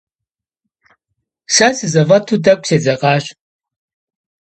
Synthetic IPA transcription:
sasɨzɐvɐtʰuːdɐkʷʼseːd͡zɐqʼɑːɕ

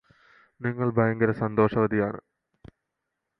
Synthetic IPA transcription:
niŋːɐɭbʱɐjɐŋɡɐɾɐsɐnd̪o̞ːʂɐʋɐd̪ʱijaːɳɨ̰

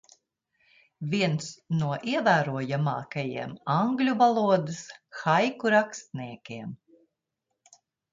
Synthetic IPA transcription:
vʲiɛnsnuɔʔiɛvæːɾuɔjama̰ːkajḭɛmaŋɡlʲuvalˠuɔd̪ɨsxajkuɾakst̪niɛkʲeɛm

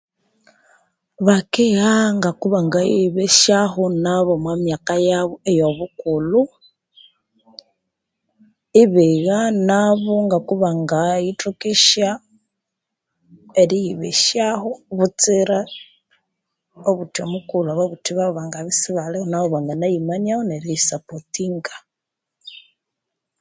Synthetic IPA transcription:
βakejaŋɡakuβaŋɡajiβeʃaxonaβomwamjakajaβoejo̞βukulu | iβiɣanaβoŋɡakuβaŋɡaitukiʃja | eɾijiβḭʃjaxoβut͡siɾa | oβutiomukuluaβaβutiβaoβaŋɡaβisiβalehonaoβaŋɡanajimanjahoneɾisapotiŋɡḁ

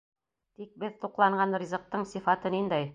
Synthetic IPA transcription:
t̪ik̚bɘðt̪uqlˠɑɴɢɑnrʲizɤ̆q̚t̪ɤɴsifɑt̪ɤnind̪æj

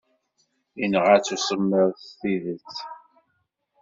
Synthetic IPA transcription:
inəʁət͡sːusəmːəɾθiðət͡sː

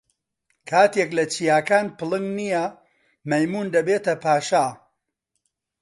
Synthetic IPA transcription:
kʰaːt̪eklɐt͡ʃijaːkaːnpɨlɨŋnijɐ | mɐjmuːnd̪ɐbeːt̪ɐpʰaːʃa

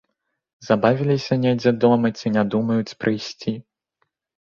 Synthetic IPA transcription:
zabavʲilʲisʲɐnʲejd͡zʲɛd̪ɔmɐt͡sʲinʲad̪umɐjut͡sʲpɾɨjsʲt͡sʲi

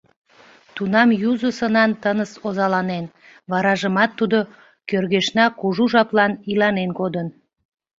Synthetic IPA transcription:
t̪unɑmjuzəsənɑnt̪ənəsozɑlɑnen | βɑɾɑʒəmɑt̪ːud̪o | kørɣeʃnɑkuʒuʒɑplɑnilɑnenɡod̪ən

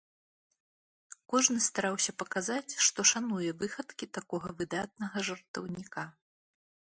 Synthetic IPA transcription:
kɔʐnɨst̪aɾawsʲɐpɐkazat͡sʲʂt̪ɔʂanujɛvɨxɐt̪kʲit̪akɔɣɐvɨd̪at̪̚nɐɣɐʐɐrt̪ɐwnʲika

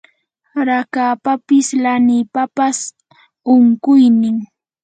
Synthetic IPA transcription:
ɾakaːpapɪslanɪpapas | ʊŋkʊjnɪŋ

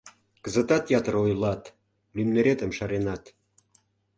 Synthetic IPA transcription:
kə̆zə̆t̪ɑt̪jɑt̪əɾojlɑt̪ | lymneɾet̪ə̆mʃɑɾenɑt̪

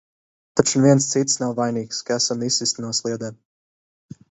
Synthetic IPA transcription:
t̪at͡ʃnɛvʲiɛnst̪sit̪snawvajniːkskaɛsamisist̪nuslˠiɛd̪ɛː

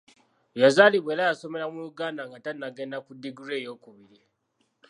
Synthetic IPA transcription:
jazalibelajasomeɾamujuɡanaŋɡatanːaɡenakudiɡuɾejokuβiɾi

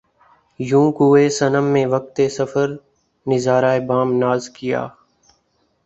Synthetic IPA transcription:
jũːkuːeːsənəmːẽːʋək̚t̪eːsəfəɾ | nɪzaːɾaːebaːmnaːzkɪja̰ː

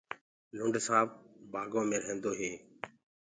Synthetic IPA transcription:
lʊɳɖʱsãːbbaːɡõːmẽːɾəɦẽːnd̪oːɦeː

